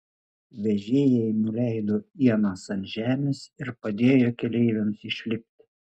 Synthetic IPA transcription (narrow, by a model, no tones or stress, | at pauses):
ʋʲɛʒʲeːjɛɪnʊlʲɛˑɪd̪oːiɛnɑːsɐnt̪ʲʒʲæːmʲesɪɾpɐd̪ʲeːjokʲɛlʲɛɪʋʲɛmsɪʃʲlʲɪpʲt̪ʲɪ